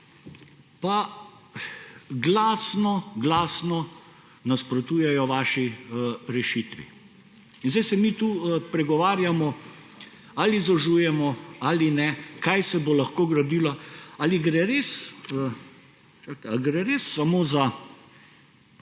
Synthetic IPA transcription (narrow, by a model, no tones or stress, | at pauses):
pa | ɡlaːsnɔɡlaːsnɔ | naspɾɔt̪uːjɛjɔʋaːʃiɾɛʃit̪ʋḭ | inzajsɛmit̪uːpɾɛɡɔʋaːɾjamɔ | alizɔʒuːjɛmɔalinɛkajsɛbolaxkoːɡɾɐd̪iːlaaliɡɾɛɾes | t͡ʃakɡɾɛɾesːamoːza